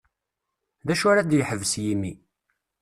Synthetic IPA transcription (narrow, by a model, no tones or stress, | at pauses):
ðæʃʊɾad̪jəħəvəsjimːi